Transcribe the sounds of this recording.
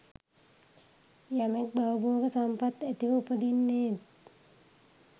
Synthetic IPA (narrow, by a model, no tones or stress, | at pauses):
jamek̚bawuboːɡəsampat̪et̪iʋəupəd̪inːeːt̪